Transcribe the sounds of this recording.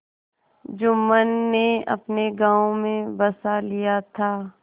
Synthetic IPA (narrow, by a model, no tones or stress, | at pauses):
d͡ʒʊmːənːeɐ̰pneɡãːõmẽbɐsalijat̪ʰaː